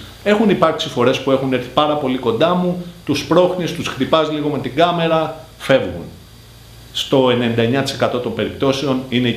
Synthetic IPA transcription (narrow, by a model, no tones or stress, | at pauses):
e̞xunipɐɾksifo̞ɾe̞spue̞xune̞ɾθi̥pɐɾɐpo̞liko̞nd̪ɐmut̪uspɾo̞xnist̪usxt̪ipɐzliɣo̞me̞t̪iɡɐme̞ɾɐ | fe̞vɣṵn | st̪o̞enenid̪ɐeɲɐt̪i̥se̞kɐt̪o̞t̪o̞mbe̞ɾip̚t̪o̞seo̞nine̞